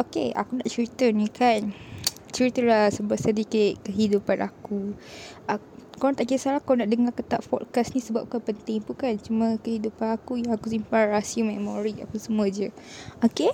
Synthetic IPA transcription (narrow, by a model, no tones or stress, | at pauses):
okea̰kunaʔt͡ʃəɾit̪ərnĩkan | t͡ʃɾit̪əlahsəbaʔsədikaʔkəɦidupanʔa̰ku | a | koɾaŋt̪aʔkisalakonaʔdəŋakət̪a̰ʔfɔ̰t̚kasnĩsəbap̚kapənt̪ɪŋpukant͡ʃumə̃kəhidupanakujaakus̬impaɾasiəmɛmoɾia̰pəsəmũə̃d͡ʒə | oke